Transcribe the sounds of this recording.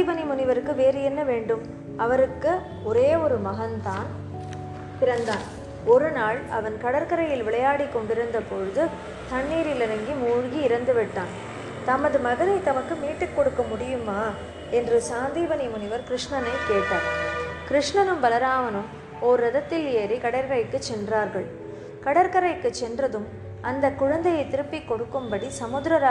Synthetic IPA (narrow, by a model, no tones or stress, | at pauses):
ibɐnimʊnɪʋɐɾɯkːɯʋeːɾɯjɛnːɐʋeːɳɖɯm | ɐʋɐɾɯkːɯ | ɔɾeːɔɾɯmɐɣɐnt̪aːn | pɪɾɐnd̪aːn | ɔɾɯnaːɭɐ̰ʋɐnkɐɽɐɾkɐɾɐjɪlʋɪɭɐjaːɽikːɔɳɖɪɾɯnd̪ɐpːɔɻɯðɯ | t̪ɐɳːiːɾɪlɐɾɐŋɡimuːɻɣiɪɾɐnd̪ɯʋɪʈːaːn | t̪ɐmɐðɯmɐɣɐnɐɪt̪ɐmɐkːɯmiːʈːɯkːɔɽɯkːɐmʊɽɪjɯmaː | ɛndrɯsaːnd̪iːʋɐnimʊnɪʋɐɾkɪɾɪʂɳɐnɐɪkeːʈːaːɾkɪɾɪʂɳɐnɯmbɐlɐɾaːʋɐnɯm | oːɾːɐðɐt̪ːɪljeːɾikɐɽɐɾkɐɾɐɪkːɯt͡ʃːɛndraːɾɣɐɭ | kɐɽɐɾkɐɾɐɪkːɯt͡ʃːɛndrɐðɯm | ɐnd̪ɐkːʊɻɐnd̪ɐjɐɪt̪ɪɾɯpːikːɔɽɯkːɯmbɐɽisɐmʊðɾɐɾaː